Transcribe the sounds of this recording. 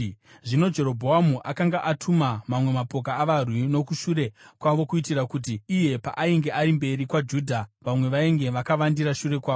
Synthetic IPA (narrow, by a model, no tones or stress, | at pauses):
ʐino̞d͡ʒe̞ɾo̞bʱo̞amuʔakaŋɡaʔatʰumamamwe̞mapo̞k̬aːʋarwino̞kuʃuɾe̞kwaʋo̞kuitirakut̬iːje̞pa̰ʔaiŋɡe̞ʔaɾimbe̞ɾikwad͡ʒudʱaʋamwe̞ʋaeŋɡe̞ʋakaʋandiɾaʃuɾe̞kwaː